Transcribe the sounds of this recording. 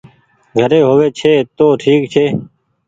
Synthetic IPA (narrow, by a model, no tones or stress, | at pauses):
ɡʱəɾeːɦoːʋeːt͡ʃʰeːt̪oːʈʰiːkt͡ʃʰeː